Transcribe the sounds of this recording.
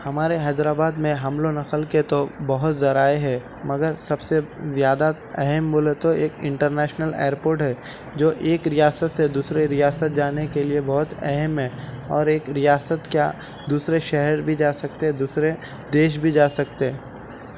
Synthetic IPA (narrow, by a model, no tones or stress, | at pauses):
hɐmaːɾeɦɛːd̪ɾaːbaːd̪mẽɦɐmlonɐqəlket̪obɐɦʊt̪zɐɾaːeɦɛː | mɐɡəɾsɐbsezjaːd̪a | ɛɦəmboːlet̪oeːkɪ̰̃ɳʈəɾnɛːʃnəlɛ̰ːəɾpoːɾʈɦɛː | d͡ʒoːʔeːkɾijaːsət̪sed̪uːsɾeɾijaːsət̪̚d͡ʒaːnekeliebɔɦʊt̪ɛ̰ɦəmɦɛːɔːɾeːkɾijaːsət̪kja̰ | d̪uːsɾeʃɛɦɛɾbʱid͡ʒaːsɐk̚t̪eɛd̪uːsɾe | d̪eːʃ̬bʱid͡ʒaːsɐk̚t̪eɛ